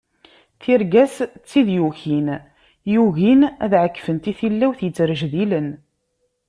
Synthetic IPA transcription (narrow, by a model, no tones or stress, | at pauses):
θiɾɡæst͡sːiðjuçin | juʝinæðʕəkːfənt̪iθilːæwθjət͡sːɾəʒðilən